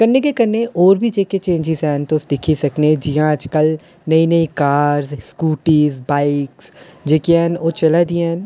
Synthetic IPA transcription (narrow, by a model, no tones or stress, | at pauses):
kəɾnːekekəɾnːeʔɔːɾbʱid͡ʒeːket͡ʃẽːɲd͡ʒizɛːnt̪osd̪ɪkʰisɐkned͡ʒiɦãt͡ʃkəl | nɐĩnɐĩkaːɾzskuːʈiːzbaːɪksd͡ʒeːkiɛnoːt͡ʃəlad̪in